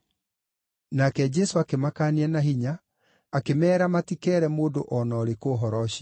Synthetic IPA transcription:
nakɛd͡ʑɛsoakemakaːniɛnaɦiɲaː | kemɛːɾamatikɛːɾɛmoːdoʔɔnɔːɾekoːɦɔɾɔɕa

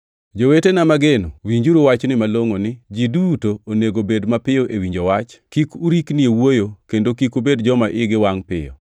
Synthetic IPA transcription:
d͡ʒowetenamaɡenowiɲd͡ʒuɾuwat͡ʃnɪmaloŋonɪd͡ʒidutoːneɡobedmapɪoʔewiɲd͡ʒowat͡ʃkikuɾikniewojokendokikubedd͡ʒɔmaʔɪɡɪwaŋpɪ̰jɔ̰

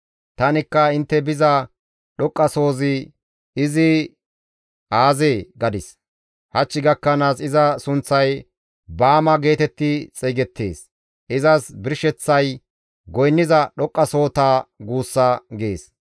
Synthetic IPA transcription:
t̪ɐnɪkːɐɪnt̪ːɛbɪzɐ | ɗɔkʼːɐso̞ːzɪ | ɪzɪ | aːzeːɡɐd̪ɪs | hɐt͡ʃːɪɡɐkːɐnaːsɪzɐsʊnt͡sːɐj | baːmɐɡe̞ːt̪ɛt̪ːɪt͡sʼɛːɡɛt̪ːe̞̰ːs | ʔɪzɐsbɪɾʃɛt͡sːɐj | ɡɔjnːɪzɐɗɔkʼːɐso̞ːt̪aːɡuːsːɐɡe̞ːs

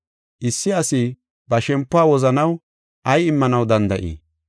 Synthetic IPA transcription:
ʔɪsːɪɐsi | bɐʃɛmpːʊaːwɔzɐnɐw | ʔɐjɪmːɐnɐwd̪ɐnd̪ɐʔḭː

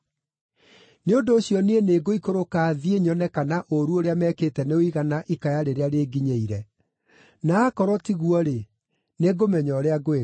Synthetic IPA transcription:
neondoːɕjɔneeneːɡoikoɾokaːðieɲɔnɛkanaʔoɾuoɾeamɛːkeːtɛneoiɣanaʔikajaɾeɾeaɾeːɡiɲeiɾɛ | naːkɔɾɔtiɣuɔɾe | neɡomɛɲɔɾeaɡoe

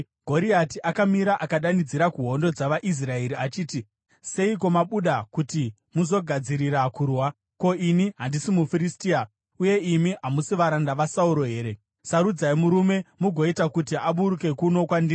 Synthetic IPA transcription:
ɡ̥ʱo̞ɾiatiʔakamiɾaʔakaɗanid͡ziɾakuɦo̞ndo̞d͡zaʋaʔis̬rae̞ɾiat͡ʃiːti | se̞iko̞maɓuɗakuti | muzo̞ɡʱad͡ziɾiɾakuːrwa | ko̞iniɦandisimufiɾistia | uje̞imiʔɦamusiʋaɾandaʋasauɾo̞ɦe̞ːɾe̞ | saɾud͡zaimuɾume̞muɡʱo̞itakutiʔaɓuɾuke̞kuno̞kwandir

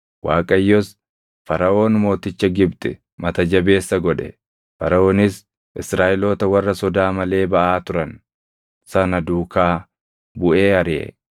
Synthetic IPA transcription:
waːkʼɐjːɔs | fɐɾɐʔo̞ːnmo̞ːt̪ɪt͡ʃːɐɡɪbt̪ʼɛ | mɐt̪ɐd͡ʒɐbe̞ːsːɐɡɔᶑɛ̰ | fɐɾɐʔo̞ːnɪs | ʔɪsɾaːʔɪloːt̪ɐwɐrːɐsɔd̪aːmɐle̞ːbɐʔaːt̪ʊɾɐn | sɐnɐd̪uːkaː | bʊʔeːɐɾɪʔɛ̰

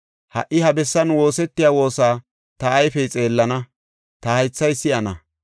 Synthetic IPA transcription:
hɐ̰ʔːɪhɐbɛsːɐnwo̞ːsɛt̪ːɪjaːwo̞ːsaː | t̪ɐːjfɛjt͡sʼe̞ːlːɐnɐ | t̪ɐhɐjt͡sːɐjsːɪʔɐnɐ̰

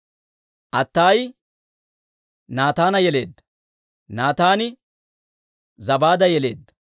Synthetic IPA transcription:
ʔɐt̪ːaːj | naːt̪aːnɐjɛle̞ːd̪ːɐ̥ | naːt̪aːnɪ | zɐbaːd̪ɐjɛle̞̰ːd̪ːɐ̥

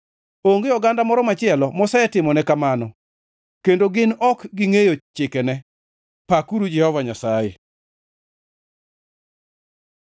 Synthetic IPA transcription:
oŋɡejɔɡandamɔɾɔmat͡ʃɪɛlɔmɔsɛɛtɪmɔnɛkamanɔ | kendoɡɪnɔkɡiŋejot͡ʃɪkɛnɛ | pakuɾud͡ʒɛhɔvaɲasaje

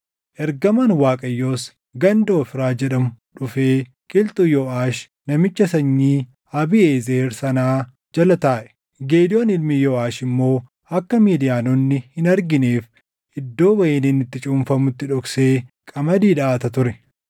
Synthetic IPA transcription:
ʔɛɾɡɐmɐnwaːkʼɐjːo̞ːs | ɡɐnd̪oːfɪɾaːd͡ʒɛᶑɐmʊᶑʊfeː | kʼɪlt̪ʼʊjoːʔaːʃ | nɐmɪt͡ʃːɐsɐɲːiː | ɐbieːzeːɾsɐnaː | d͡ʒɐlɐt̪aːʔɛ̥ | ɡeːd̪ɪjonɪlmɪjoːaːʃɪmːo̞ː | ɐkːɐmiːd̪ɪjaːnɔnːɪhɪnɐɾɡɪneːf | ʔɪd̪ːo̞ːbɐjeːniːnɪt̪ːɪt͡ʃʼuːmfɐmʊt̪ːɪᶑɔkseːkʼɐmɐd̪iːᶑɐaːt̪ɐt̪ʊɾɛ

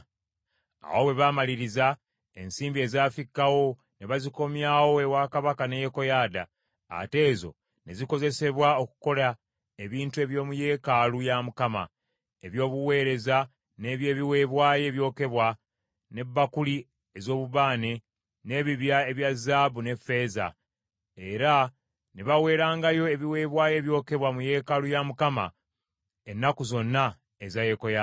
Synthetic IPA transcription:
a̰wo̞we̞βamaliɾiza | e̞̰nsiːmbie̞ːzaːfikːawo̞ | ne̞βaziko̞mjawo̞ewakaβakanejeko̞jaːda̰ː | te̞ːzo̞̰ | ne̞ziko̞ze̞se̞βwaokuko̞la | eβiːntue̞βjo̞ːmuje̞ːkalujamukama̰ | e̞βjo̞ːβuwe̞ːɾe̞za | ne̞βje̞ːβiwe̞βwaːje̞ːβjo̞ːke̞βwa | ne̞bːakuli | ezo̞ːβuβaːne̞ | ne̞βiβjae̞βjazaβune̞fe̞ːza̰ | e̞ɾa | neβawe̞ːɾaːŋɡajo̞e̞βiwe̞ːβwaːje̞βjo̞ːke̞βwamuje̞kalujamukama̰ | e̞nːakuzo̞nːa | ezaje̞koja

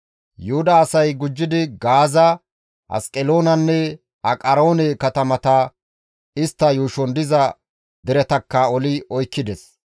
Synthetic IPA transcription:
jʊhʊd̪ɐːsɐjɡʊd͡ʒːɪd̪ɪɡaːzɐ | hɐ̰skʼɛlo̞ːnɐnːɛ | ɐkʼɐɾoːnɛkɐt̪ɐmɐt̪ɐ | ɪst̪ːɐjuːʃɔnd̪ɪzɐ | d̪ɛɾɛt̪ɐkːɐɔlɪɔjkːɪd̪ɛs

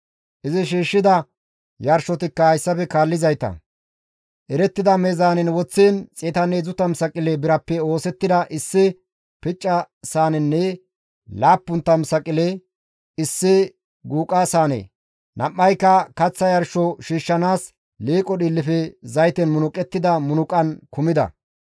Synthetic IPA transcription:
ʔɪzɪʃiːʃːɪd̪ɐ | jɐɾʃɔt̪ɪkːɐhɐjsːɐpɛkaːlːɪzɐjt̪ɐ̰ | ʔɛɾɛt̪ːɪd̪ɐmezaːnɛnwɔt͡sːeːnt͡sʼeːt̪ɐnezʊt̪ɐmsɐkʼɪlɛbɪɾɐpːɛo̞ːsɛt̪ːɪd̪ɐʔɪsːɪ | pɪt͡ʃʼːɐ | saːnɛnːɛ | laːpːʊnt̪ːɐmsɐkʼɪle | ɪsːɪ | ɡuːkʼasaːnḛː | nʔɐ̰ʔːɐjkːɐkɐt͡sːɐjɐɾʃɔʃiːʃːɐnaːs | leːkʼɔɗɪlːɪfɛzɐjt̪ɛnmʊnʊkʼɛt̪ːɪd̪ɐmʊnʊkʼɐnkʊmɪd̪ɐ̰

